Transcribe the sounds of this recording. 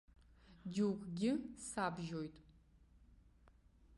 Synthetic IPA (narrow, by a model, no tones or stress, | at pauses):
duwkʷʰʼɡʲɪsaːbʒojtʼ